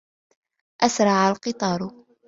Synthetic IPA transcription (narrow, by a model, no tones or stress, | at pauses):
ʔasɾˤɑʕalqɨt̪ˤɑːɾˤ